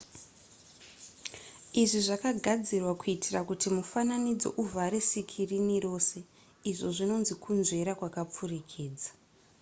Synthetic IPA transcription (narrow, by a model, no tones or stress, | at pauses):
iʐiʐakaɡʱad͡zirwakuitʰirakutimufananid͡zo̞̰ʔuvʱaɾesikʰiriniro̞ːse̞ | iʐo̞ʐino̞nzikʰunze̞ɾakwakap͡furikʰeːd͡zḁ